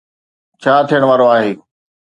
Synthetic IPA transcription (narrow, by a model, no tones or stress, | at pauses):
t͡ɕʰaːt̪ʰijəɽ̃ʋaːɾoaːɦeː